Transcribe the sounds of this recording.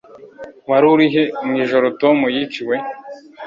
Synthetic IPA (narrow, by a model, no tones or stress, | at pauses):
waɾuɾiɦemŋiːʒoɾotomujit͡ʃiwe